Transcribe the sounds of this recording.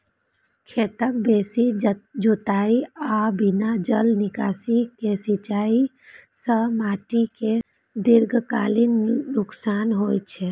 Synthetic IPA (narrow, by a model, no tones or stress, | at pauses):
kʰet̪ək̚besid͡ʒot̪aiabinad͡ʒəlnikasikesit͡ʃai | sə̃maʈike | d̪iɾɡʱkalinːuksanɦojt͡ʃʰɛ